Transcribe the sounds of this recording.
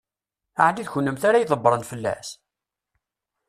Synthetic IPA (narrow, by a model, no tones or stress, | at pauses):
aʕliðçənːəmθaɾajðˤəbːɾˤənfəlːæ̰s